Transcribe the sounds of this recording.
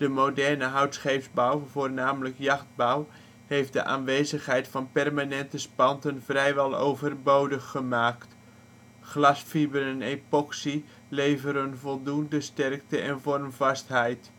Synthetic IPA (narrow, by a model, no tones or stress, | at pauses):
d̥əmowdɛrnəɦœɥtsχejvzbawvoːrnaːmləkjɑχd̚baw | hejftdə̰ʔa̰ːnʋejzəχɦɛjtfɑnpɛrmaːnɛntəspɑntənvrɛjʋɛlˠo̰wvərbowdəχːəmaːkt | χlɑsfibəɾənejpɔksi | lejvəɾənvɔlˠdundəstɛrk̚təʔɛnvɔrmvɑstɦɛjt